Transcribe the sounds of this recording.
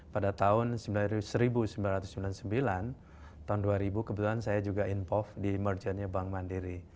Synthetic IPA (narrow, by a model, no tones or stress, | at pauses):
padat̪aʊnsəmbilansəɾibusəmbilanrat̪ʊsəmbilansəmbilan | t̪aʊnduaɾibukəbət̪ulansajad͡ʒuɡaʔinpɔfdimərd͡ʒənɲabaŋmandiɾi